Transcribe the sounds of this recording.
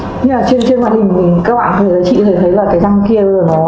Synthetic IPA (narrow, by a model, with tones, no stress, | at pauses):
ɲi˧maː˨˩t͡ɕe˧nt͡ɕe˧nhwaː˧˨hï˨˩ŋ̟t̪ʰi˨˩kaː˦k̚ɓa̰ː˧˨nt̪ʰə˨˧˨t̪ə˨˦t͡ɕḭ˧˨t̪ʰə˨˧˩jt̪ʰə˨˦jlaː˨˩kaː˨˦jza˧ŋki˧ə˨˧˨nɔ˨˦